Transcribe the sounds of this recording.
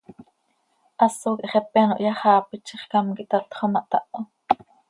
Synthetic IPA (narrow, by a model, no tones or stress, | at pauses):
ʔɑsoːkiʔχɛpeno̰ʔjɑχɑːpit͡ʃiχkɑmkiʔt̪ɑt̪χomɑʔt̪ɑʔo